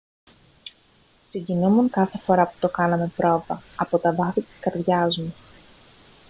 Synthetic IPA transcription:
siɲɟinumuŋkɐθe̞fo̞ɾɐpu̥t̪o̞kɐnɐme̞pɾo̞vɐɐpo̞t̪ɐvɐfit̪i̥skɐɾðʝɐzmu

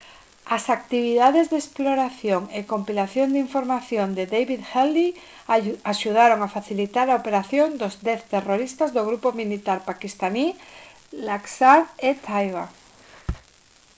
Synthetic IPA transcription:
asak̚t̪iβ̞iðaðezðesploɾaθjoŋekompilaθjond̪iɱfoɾmaθjond̪eðejβiðxeld̪i | aʃuð̞aɾoŋafaθilit̪aɾaopeɾaθjond̪ozd̪eθt̪eroɾist̪azðoɣ̞ɾupomilit̪aɾpakist̪ani | laksaðet̪ʰajβa

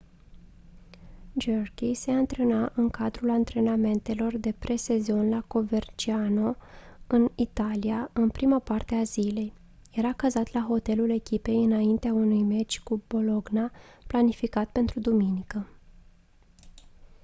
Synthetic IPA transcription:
d͡ʒerkʲise̞ant̪ɾe̞naʔɨŋkad̪ɾulant̪ɾe̞name̞nt̪e̞lo̞rd̪e̞pɾʔe̞se̞zo̞nlako̞ve̞rt͡ʃiano̞ɨnit̪aliaɨnpɾimapart̪e̞azile̞j | je̞ɾakəzat̪laɦo̞t̪e̞lule̞kʲipe̞jɨnaint̪eaunujme̞t͡ʃʲkubo̞lo̞ɡnaplanifikat̪pe̞nt̪ɾud̪uminikə

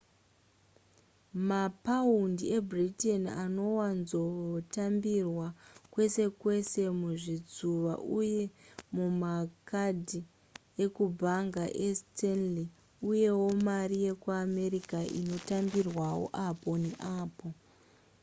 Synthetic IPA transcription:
mapaundie̞bʱritenano̞wanzotambirwakwe̞se̞kwe̞se̞muʐid͡zuʋa̰ʔuje̞mumakadʱi | ekubʱaŋɡaʔestʰenli | uje̞wo̞maɾije̞kuame̞ɾikaʔḭno̞tambirwawo̰ʔapo̞neʔaːpo̞

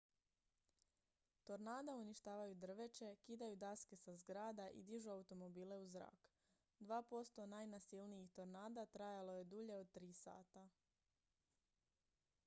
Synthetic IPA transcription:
t̪o̞ɾnaːd̪auniʃt̪aːʋajud̪r̩ʋe̞t͡ʃe̞kiːd̪ajud̪aske̞sazɡɾaːd̪aʔḭd̪iʒuaut̪o̞mo̞biːle̞uzɾa̰ːk | d̪ʋaːpo̞st̪o̞najnasilniixt̪o̞ɾnaːd̪at̪ɾajalo̞je̞d̪uʎe̞o̞d̪̚t̪ɾiːsa̰ːt̪a

